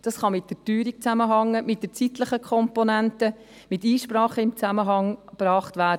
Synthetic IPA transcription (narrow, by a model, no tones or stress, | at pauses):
d̥ɑsχɑmɪt̚d̥ətyːɾik̚t͡sæməɦɑŋːəmɪt̚dət͡sitləχəkʰɔmpɔnæntə | mɪtiːʃpɾɑːχəɪmt͡sæməɦɑŋb̥ɾɑːχtvæːɾd